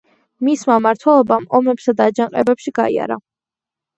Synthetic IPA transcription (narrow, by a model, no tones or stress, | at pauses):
mismamaɾt̪ʰwɛlˠɔbamɔmɛpsad̪aːd͡ʒaŋqʼɛbɛpʃiɡaḭa̰ɾa̰